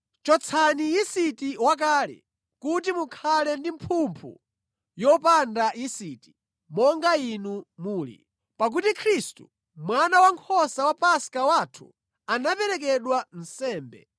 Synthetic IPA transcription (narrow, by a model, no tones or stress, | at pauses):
t͡ʃɔt͡sʰaniisitiwak̬aːlɛ̰ | kut̬imukʰalɛndimpʰumpʰṵ | jɔpandaisiti̥ | mɔŋɡainumuːlḭ | pak̬utikʰɾistṵ | mwanawaŋkʰɔsawapaskawatʰu̥̰ | anapɛɾɛkɛɗwan̩sɛːmbɛ̰